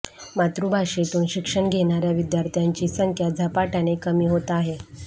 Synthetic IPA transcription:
mat̪ɾubʱaɕet̪uːnɕikʂəɳɡʱeɽ̃aɾjaʋid̪jaɾt̪ʰjaɲt͡ɕiːsəŋkʰjad͡zʱapaʈanekəmiːɦot̪aɦe

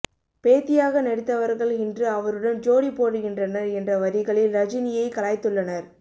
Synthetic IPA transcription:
peːt̪ːɪjaːɣɐnɛɽɪt̪ːɐʋɐɾɣɐɭɪndrɯɐʋɐɾɯɽɐnd͡ʒoːɽipːoːɽɯɣɪndrɐnɐɾɛndrɐʋɐɾɪɣɐɭɪlɾɐd͡ʒɪnɪjɐɪkɐlaːjt̪ːɯɭːɐnɐɾ

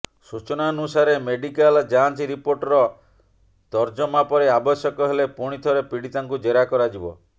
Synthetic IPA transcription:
sut͡ʃɔnaɔnusaɾemeɖikald͡ʒant͡ʃiɾipoɾʈɔɾɔ | t̪ɔɾd͡ʒɔmapɔɾeabɔsjɔkɔɦelepuɽ̃it̪ʰɔɾepiɽit̪aŋkud͡ʒeɾakɔɾad͡ʒibɔ̰

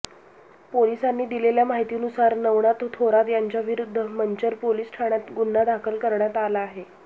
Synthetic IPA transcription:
polisanːiːd̪ileljamaɦit̪iːnusaɾnəʋɳat̪t̪ʰoɾat̪jaɲt͡ɕjaʋiɾud̪ʱːəməɲt͡ɕəɾpoliːsʈʰaɳjat̪ɡunːad̪akʰəlkəɾɳjat̪alaːɦe

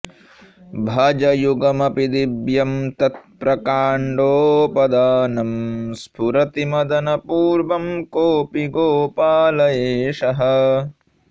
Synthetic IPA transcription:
bʱɐd͡ʒɐjuɡɐmɐpid̪ibjɐmt̪ɐt̪̚pɾɐkaːɳɖoːpɐd̪aːnɐmspʰuɾɐt̪imɐd̪ɐnɐpuːɾʋɐmkoːpiɡoːpaːlɐjeːʃɐɦɐ̆

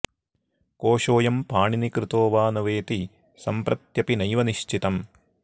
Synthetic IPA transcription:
koːʃoːjɐmpaːɳinikɾɪt̪oːʋaːnɐʋeːt̪i | sɐmpɾɐt̪jɐpinɐjʋɐniʃt͡ʃit̪ɐm

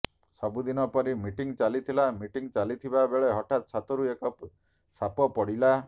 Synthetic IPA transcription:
sɔbud̪inɔpɔɾimiʈiŋt͡ʃalit̪ʰilamiʈiŋt͡ʃalit̪ʰibabeɭeɦɔʈat̪̚t͡ʃʰat̪ɔɾuekɔp | sapɔpɔɽila

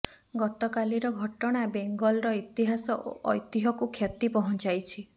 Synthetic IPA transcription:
ɡɔt̪ɔkaliɾɔɡʱɔʈɔɽ̃abeŋɡɔlɾɔit̪iɦasɔɔ̰jt̪iɦɔkukʰjɔt̪ipɔɦɔnt͡ʃajt͡ʃʰi

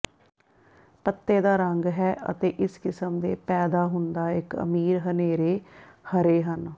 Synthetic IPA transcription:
pət̪ːeːd̪aːɾəŋɡɦɛːʔə̰t̪eːʔɪskɪsəmd̪eːpɛːd̪aːɦʊnd̪aːɪkə̰miːɾɦəneːɾeːhəɾeːɦən

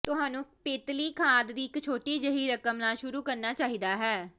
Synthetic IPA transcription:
t̪ʊɦaːnũːpeːt̪liːkʰaːd̪d̪iːɪkt͡ʃʰoːʈiːd͡ʒəɦiːɾəkəmnaːʃʊɾuːkəɾnaːt͡ʃaːɦiːd̪aːɦɛː

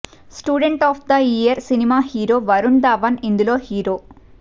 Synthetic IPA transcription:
sʈjuːɖeɳʈɔːpʰd̪ɐijɐɾsinimaːhiːɾoːʋɐɾund̪aʋɐnind̪uloːhiːɾoː

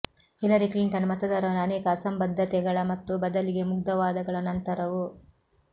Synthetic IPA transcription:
hilɐɾikliɳʈɐnmɐt̪ɐd̪ɐɾɐʋɐnɐːnɛːkɐːsɐmbɐd̪ʱːɐt̪ɛɡɐɭɐmɐt̪ːubɐd̪ɐliɡe̞muɡd̪ɐʋaːd̪ɐɡɐɭɐnɐnt̪ɐɾɐʋu

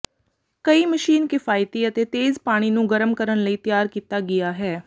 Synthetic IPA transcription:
kəiːməʃiːnkɪfʰaːɪt̪iːət̪eːt̪eːzpaːɽ̃iːnũːɡəɾəmkəɾənləiːt̪ɪjaːɾkiːt̪aːɡɪjaːɦɛː

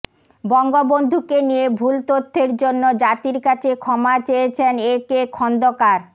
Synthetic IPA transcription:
bɔŋɡobond̪ʱukenijebʱult̪ot̪ʰːeɾd͡ʑonːod͡ʑat̪iɾkat͡ɕʰekʰɔmat͡ɕeet͡ɕʰenekekʰɔnd̪okaɾ

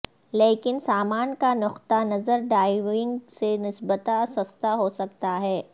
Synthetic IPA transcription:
leːkɪnsaːmaːnkanʊqt̪anɐzəɾɖaːɪʋɪ̃ŋɡsenɪsbət̪asɐst̪aɦosɐk̚t̪aɦɛː

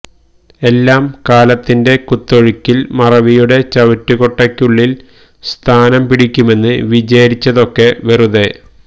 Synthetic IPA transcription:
e̞lːaːmkaːlɐt̪ːinde̞kut̪ːo̞ɻikʲːilmɐrɐʋijuɽe̞t͡ɕɐʋɐtːuɣo̞ʈːɐkʲːuɭːil | st̪ʰaːnɐmpiɽikʲːume̞nːɨʋid͡ʑɐjɾit͡ɕːɐðo̞kːe̞ʋeruðe̞

